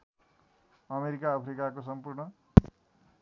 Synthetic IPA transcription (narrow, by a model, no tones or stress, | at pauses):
ʌmeɾikaʌpʰɾikakosʌmpurɳʌ